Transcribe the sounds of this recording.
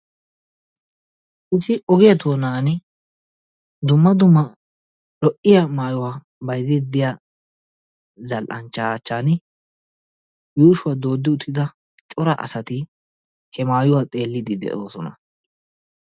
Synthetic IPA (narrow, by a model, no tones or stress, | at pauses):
ʔɪsɪʔɔɡɪjɐt̪oːnaːn | d̪ʊmːɐd̪ʊmːɐ | ᶑɔʔɪjamaːjʊwaː | bɐjzɛd̪ɪjaː | zɐlʔɐnt͡ʃːaːt͡ʃːaːn | juːʃʊwad̪o̞ːd̪ːɪʊt̪ʰːɪd̪ɐ | t͡ʃʼɔɾɐ̰ʔɐ̰sɐt̪ɪ | hɛmaːjʊwaːt̪ʼe̞ːlːɪd̪ɪd̪ɛ̰ʔoːsɔnɐ